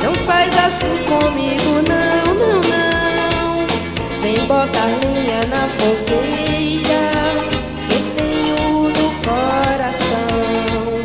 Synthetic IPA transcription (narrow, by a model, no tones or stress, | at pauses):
nɐ̃w̃fajzasĩkõmiɡunɐw̃nɐ̃w̃nɐw̃ | sẽj̃bɔt̪alũɲanafoko | eda | ket̪ẽj̃uunʊkoɾasɐw̃